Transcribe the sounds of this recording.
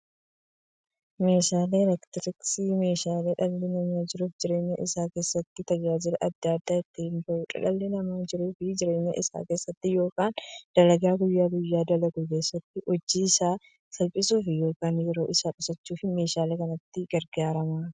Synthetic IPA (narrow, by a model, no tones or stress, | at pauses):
meːʃaːleːɾɛkt̪ɪɾɪksiːme̞ːʃaːleːᶑɐlːenɐmaːd͡ʒɪɾuːfd͡ʒɪɾeːɲːɐʔɪsaːke̞ːsːɐt̪ːɪt̪ɐd͡ʒaːd͡ʒɪlɐʔɐd̪ːaːd̪ːaːɛt̪ːɪhɪnt̪ɐʔʊᶑɐ̰lɐlːenɐmaːd͡ʒɪɾuːfɪd͡ʒɪɾe̞ːɲːɐ̰ʔɪsa̰ːkeːsːɐt̪ːɪjo̞ːkaːnd̪̥ɐlɐɡaːɡʊjːaːɡʊjːaːd̪ɐlɐɡukeːsːɐt̪ːɪʔɔd͡ʒːiːsaː | sɐlpʼɪsuːfɪjo̞ːkaːnjɛɾo̞ːʔɪsaːᶑʊsɐt͡ʃːuːfɪme̞ːʃaːlekɐnɐt̪ːɪɡɐɾɡaːɾɐmaː